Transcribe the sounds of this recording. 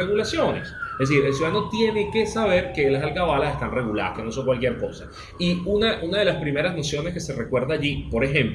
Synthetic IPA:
eɣulasjo̞ne̞̰seðes̬iɾe̞ls̬juðano̞t̪je̞ne̞ke̞saβ̞e̞ɾkelasalkaβalasest̪anre̞ɣula̰ða̰ske̞no̞s̬o̞ŋkwalkjeɾko̞sa | iunaʔunað̞e̞laspɾime̞ɾazno̞sjo̞neske̞se̞re̞kwe̞ɾðaːʝipo̞ɾe̞xẽ̞mp

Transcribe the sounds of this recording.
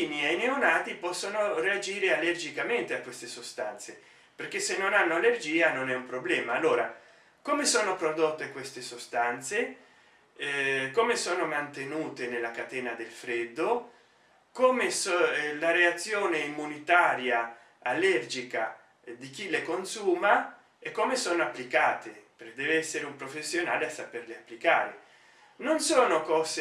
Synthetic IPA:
iniejneonaːt̪ipɔsːonoread͡ʒiːɾealerd͡ʒikament̪eakːwest̪esost̪ant̪se | perk̟esːenːonanːoalerd͡ʒiːanonɛumpɾoblɛːmaːlːoːɾa | koːmesoːnopɾod̪ot̪ːekwest̪esost̪ant̪se | komesoːnomant̪enuːt̪enelːakat̪ɛːnad̪elfɾɛd̪ːo | koːmesolaɾeat̪sːjoːneimːunit̪aːɾja | alɛrd͡ʒika | d̪ik̟ilekonsuːma | ekːomesoːnoapːlikaːt̪epeked̪ɛːveɛsːeɾeumpɾofesːjonaːleasaperleapːlikaːɾe | nonsoːnokɔːs

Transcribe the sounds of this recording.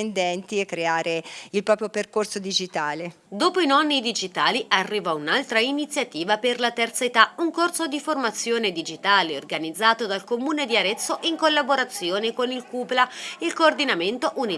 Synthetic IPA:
nd̪ɛnt̪iɛkːɾeaːɾeilpɾɔːpɾjoperkorsod̪id͡ʒit̪aːle | d̪oːpoinɔnːid̪id͡ʒit̪aːliʔarːiːvaunalt̪ɾainit̪sːjat̪iːvaperlat̪ɛrt̪saet̪auŋkorsod̪iformat̪sːjoːned̪id͡ʒit̪aːleorɡanid̪zːaːt̪od̪alkomuːned̪iaɾɛt̪sːoʔiŋkolːaboɾat̪sːjoːnekonilkuːplailkoːrd̪inament̪oʔuni

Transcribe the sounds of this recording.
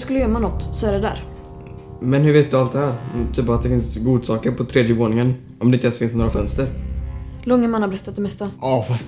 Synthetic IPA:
skɵləjœːmanɔt̪ːsɔæɾɛd̪æ̰ːɾ | mɛnhɵɾveːt̪̚d̪ɵalt̪̚d̪ɛhæːɾt̪ʰyːpat̪̚d̪ɛfɪnsɡuːd̪sɑːkəɾpʰɔt̪ʰɾeːd̪jəvoːnɪŋən | ɔmd̪ɛɪnt̪alsfɪnsnoːɾafœnst̪əɾ | lɔŋːəmanːabɛɾɛt̪ːat̪̚d̪ɛmɛst̪aɑfas

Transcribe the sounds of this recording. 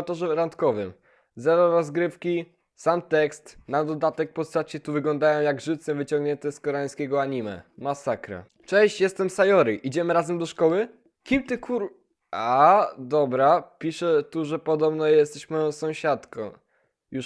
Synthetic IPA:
t̪ɔʐɛɾant̪kɔvɘm | zɛvɔɾɔzɡɾɘfkʲi | samt̪ɛkst̪nad̪ɔd̪at̪ɛk̚pɔst̪at͡ɕɛt̪uvɘɡlɔ̃nd̪ajɔ̃w̃jaɡʐɘt̪sɛvɘt͡ɕɔ̃ŋɡɲɛnt̪ɛskɔɾɛaj̃skʲɛɡɔaɲimɛ̰masakɾa̰ | t͡ʂɛ̃ɕt͡ɕjɛst̪ɛmsajɔɾiʔid͡ʑɛmɘɾazɛmd̪ɔʂkɔwɘ | kʲimt̪ɘkʰuɾ | ʔad̪ɔbɾapʲiʂɛt̪uʐɛpɔd̪ɔbnɔjɛst̪ɛɕmɔjɔ̃sɔ̃w̃ɕat̪kɔ̰̃w̃ | ju

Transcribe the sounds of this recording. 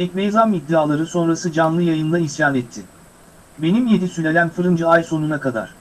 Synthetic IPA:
ɛcʲmejzamid̪ːiaːlˠaɾɯso̞nɾasɯd͡ʒanlˠɯjajɯnlˠaisjaːnɛt̪ʰːɪ | be̞nimje̞d̪isylʲe̞lʲænfɯɾɯnd͡ʒɯajso̞nunakad̪a̰ɾ̥

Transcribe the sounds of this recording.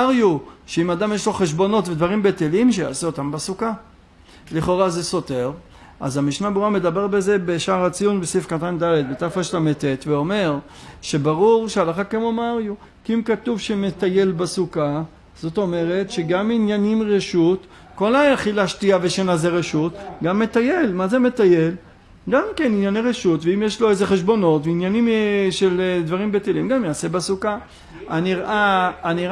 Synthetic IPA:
aʁjuʃeimad̪amjeʃlo̞χe̞ʃ̬bo̞no̞tved̪vaʁimbetelimʃeja̰ːseot̪ambasuka | liχo̞ʁazeso̞teʁ | a̰zamiʃnabeʁuame̞d̪abe̞ʁbeze̞beʃaʁat͡sijunbesifkat̪and̪ale̞d̪̚bet̪afaʃlametet̪veo̞me̞ʁ | ʃe̞baʁuʁʃealaχakemomaʁju | kiimkat̪uvʃemet̪aje̞lbasuka | z̥o̞t̪o̞me̞ʁe̞tʃe̞ɡaminjanimʁeʃut | ko̞lajaχilaʃtiaveʃenazeʁeʃutɡamːe̞t̪ajelmazeme̞t̪ajel | ɡamkeninjaneʁeʃutveimjeʃlo̞eze̞χe̞ʃbo̞no̞tveinjanimʃeld̪vaʁimbet̪elimɡamjaːse̞basuka | niʁʔaːniʁ

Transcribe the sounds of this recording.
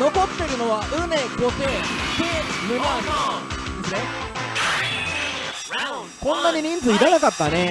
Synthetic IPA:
no̞ko̞t̪ːeɾɯ̟no̞βaʔɯ̟neɡo̞set̪emenasad̪esɨne | kõ̞nːaɲ̟iɲ̟ĩnd͡zɨiɾanakat̪ːane̞

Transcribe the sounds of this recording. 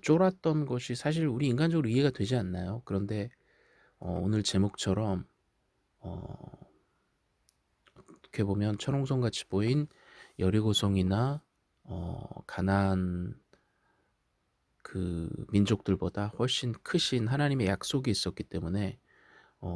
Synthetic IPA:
t͡ɕ͈oɾat̚t͈ʌnɡʌɕʰisʰaɕ̬ʰiɾuɾiːŋɡand͡ʑʌɡɯɾoiɦe̞ɡadwe̞d͡ʑianːajokɯɾʌnde̞ | ʌ̰onɯɭt͡ɕe̞mok̚t͡ɕʰʌɾʌm | ʌ̰ | ʌtʰʌ̥kʰe̞bomjʌnt͡ɕʰʌɾoŋsʰʌŋɡat͡ɕʰi̥b̥oin | jʌɾiɡosʰoŋina | ʌ̰kanan | kɯmind͡ʑok̚t͈ɯɭbodaɸwʌɭɕ͈inkʰɯɕʰinɦanaɲime̞jak̚s͈oɡiːs͈ʌk͈it͈e̞mune̞ | ʌ

